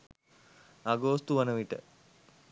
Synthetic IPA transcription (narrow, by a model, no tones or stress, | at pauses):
aɡoːst̪uʋɐnəʋiʈə̰